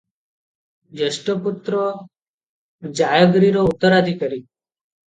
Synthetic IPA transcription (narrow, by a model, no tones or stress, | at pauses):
d͡ʒəsʈopʊt̪ɾo | d͡ʒaːjəɡɾiɾoʊt̪əɾad̪ʱikəɾiː